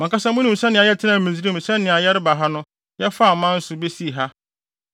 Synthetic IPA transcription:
mã˨kʰa˦sã˦mʊ̃˦nɪ̃˨sɛ̃˦nɪ̃˨a˨jɛ˦tʰɪ˦nã˨mĩ˨zi˦ɾi˦m̩˨sɛ̃˦nːɪ̃˨a˨jɛ˦ɾɪ˦ba˨ɦa˦nʊ̃˦ | jɛ˦fa˦˨mã˦n̩˦sʊ˨be˦si˦˨ɦa˦

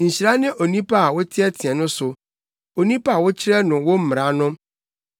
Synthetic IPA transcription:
ɲ̩˨ɕi˨ɾa˦nɪ̃˦ʔo˨nĩ˦pʰa˦a˨wʊ˦tʰɪ˦ɛ˦tʰĩ˨ɛ̃˨nʊ̃˦sʊ˨ | o˨nĩ˦pa˦˨wʊ˦t͡ɕʰɪ˦ɾɛ˦nʊ̃˨wʊ˦m̩˦m˨ɾa˨˦nʊ̃˦

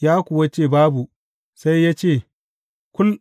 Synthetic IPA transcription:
jaː˦kʷʊ˨wa˦t͡ʃeː˦˨baː˦bu˨ | sa˦jːaː˦t͡ʃeː˦˨ | kʷʊ˦l

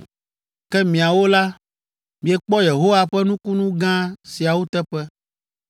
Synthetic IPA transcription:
kɛ˦mĩ˨a˨wo˦la˦ | mĩ˨e˨k͡pɔ˦je˨ɦo˦wa˦ɸɛ˦nũ˦ku˦nũ˦ɡã˦si˨a˨wo˦t̪ɛ˦ɸɛ˦

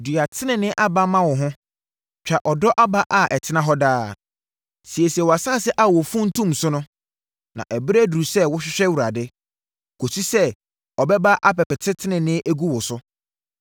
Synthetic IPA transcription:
du˨a˨tʰɪ˦nɪ̃˨nɪ̃˦ʔa˦ba˦mã˦wʊ˨ɦʊ̃˦ | t͡ɕᶣa˨ʔɔ˨dɔ˦ʔa˦ba˦ʔa˦ʔɛ˨tʰɪ˦nã˦ɦɔ˦daː˦ | si˨ɛ˨si˨ɛ˨wɔ˨a˨sa˦˨sɛ˦ʔa˦˨wɔ˨fũ˦n̩˦tʰũ˦msʊ˦nʊ̃˦ | nã̰˨ʔæ˨bɾæ˦du˨u˨sɛ˦wʊ˦ɕᶣɪ˦ɕᶣɛ˦wu˨ɾa˨dɪ˦ | kʰo˨si˦sɛ˦ | ɔ˨bɛ˦ba˦ʔa˦pɛ˨pɛ˨tʰɪ˦tʰɪ˦nɪ̃˨nɪ̃˦ʔæ˦ɡu˦wʊ˨sʊ˦

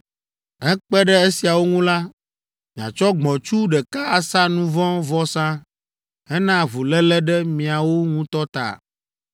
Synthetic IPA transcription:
ɦɛ˦k͡pɛ˦ɖɛ˦e˦si˨a˨wo˦ŋũ˦la˦ | mĩ˨ã̰˨t͡ʃɔ˦ɡ͡bɔ̃˨t͡ʃu˦ɖɛ˨ka˦a˨sa˦nũ˦vɔ̃˦vɔ˦sã˦ | ɛ˦nã˦˨vu˨lɛ˦lɛ˦ɖɛ˦mĩ˨a˨wo˦ŋũ˦t̪ɔ˦t̪a̰˨

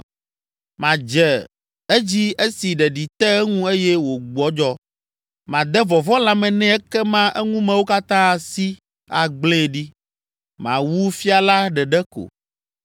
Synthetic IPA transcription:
mã˨d͡ʒɛ˨ | e˦d͡ʑi˦e˦si˨ɖɛ˨ɖi˨t̪ɛ˦ŋũ˦e˦jɛ˦wo˨ɡ͡bɔ˨˦d͡ʒɔ˦ | mã˨d̪ɛ˦vɔ˨vɔ˦la˦mɛ̃˨nɛ̃˦ɛ˦kɛ˦mã˦ʔɛ˦ŋũ˦mɛ̃˨wo˦ka˦t̪ã˦˨si˦ | a˨ɡ͡blẽ˦˨ɖi˦ | mã̰˨wu˦fi˦a˨la˦ɖɛ˨ɖɛ˦ko̰˨

